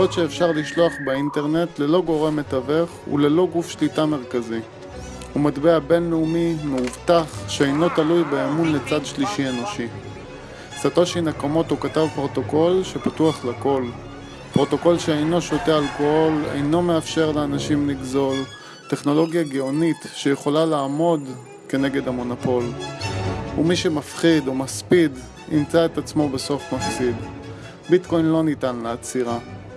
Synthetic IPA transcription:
ot̪ʃeːfʃaʁliʃlo̞aχbeinte̞ʁne̞t̪le̞lo̞ɡo̞ʁe̞met̪ave̞χṵle̞lo̞ɡufʃlitame̞ʁkazi | umadbeabe̞nleumimeuvtaχʃeejno̞t̪alujbeːmunle̞t͡sadʃliʃieno̞ʃi | sat̪o̞ʃejnakamo̞t̪ukatavpʁo̞t̪o̞ko̞lʃe̞patuaχlako̞l | pʁo̞t̪o̞ko̞lʃeejno̞ʃo̞tealkooolḛjno̞meafʃe̞ʁleanaʃimliɡzo̞l | te̞χno̞lo̞ɡjaɡeonitʃejeχo̞lalaːmo̞d | ke̞ne̞ɡe̞damo̞napo̞l | umiʃe̞mafχidomaspid | ḭmt͡saetat͡smo̞beso̞fmafsid | bitko̞jnlo̞nitanleːt͡siʁa

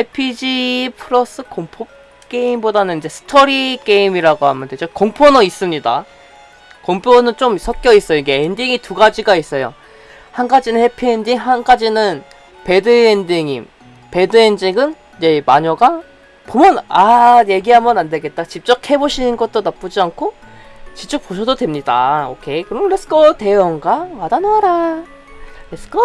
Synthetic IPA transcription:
epʰid͡ʑipʰɯɾʌs͈ɯkoŋpʰop̚ | k͈e̞imbodanɯnid͡ʑe̞sʰɯ̥tʰʌɾik͈e̞imiɾaɡohamjʌnded͡ʑokoŋpʰonʌis͈ɯmɲida | koŋpʰonɯnt͡ɕomsʰʌk̚k͈jʌis͈ʌjoiɡe̞endiŋituɡad͡ʑiɡais͈ʌjo̰ | hanɡad͡ʑinɯnhe̞pʰiendiŋɦanɡad͡ʑinɯn | pe̞dɯendiŋim | pe̞dɯend͡ʑiɡɯn | je̞maɲʌɡa | pomjʌnaje̞ɡiɦamʌnande̞ɡe̞t̚t͈at͡ɕip̚t͡ɕ͈ʌkʰhe̞boɕʰinɯnɡʌt̚t͈onap͈od͡ʑiankʰo | t͡ɕit͡ɕ͈ok̚p͈oɕʰʌdodwe̞mɲida̰okʰe̞kɯɾʌmɾes͈ɯ̥kʰʌte̞jʌŋɡamadanaɾa | ɾeskʌ

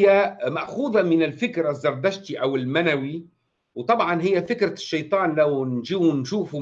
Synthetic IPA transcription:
jːamaʔxuːðˤamɪnɪlfɪkɾazːɑɾˤd̪aʃt̪iʔawɪlmanawi | wt̪ˤɑbʕɑnɦɪjːafɪkɾaʃːɑjt̪ˤɑːnlawnʒinʃuːfu

